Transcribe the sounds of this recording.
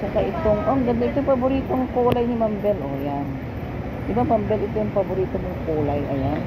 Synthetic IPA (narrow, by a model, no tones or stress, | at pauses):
t͡ʃɐkaʔɪt̪oŋʔoŋɡɐnoʔɪt̪ojpɐboɾiːt̪oŋkoːlɐjnɪmɐmbɛlʔojan | d̪ɪbamɐmbɛlɪt̪ojʊŋpɐboɾiːt̪omoŋkoːlajʔɐjan